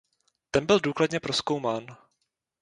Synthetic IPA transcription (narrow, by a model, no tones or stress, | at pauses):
t̪ɛnbɪlduːkladɲɛpɾo̞sko̞wmaːn